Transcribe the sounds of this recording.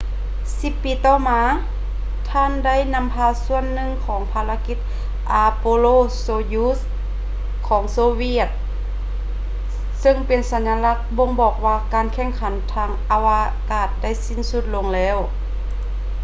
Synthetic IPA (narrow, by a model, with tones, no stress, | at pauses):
si˧˦pːiː˨˦t̪ɔː˧˩maː˧˥ | t̪ʰaː˧˥˨nda˥˩˨jna˧˥mpʰaː˧su˧˩ənːɯ˧˨ŋkʰɔː˨˦ŋpʰaː˧la˧˥ki˧˥t̪̚ | ʔaː˧poː˧loː˧˨soː˧juː˧˥s | kʰɔː˩˦ŋsoː˧wi˧ət̪̚ | sɤ˧ŋpe˨nsa˨˦nːa˧la˧˥k̚bo˧˨ŋbɔː˨˩k̚waː˧kaː˨nkʰɛ˧˩ŋkʰa˨˦nt̪ʰaː˧˥ŋʔa˧wa˧ | kaː˧˩t̪̚da˥˨jsi˧˥˨nsu˧˥t̪̚lo˧ŋlɛː˧˥˩w